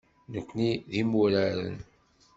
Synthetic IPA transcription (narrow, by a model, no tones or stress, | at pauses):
nəkʷːniðimuɾæɾə̰n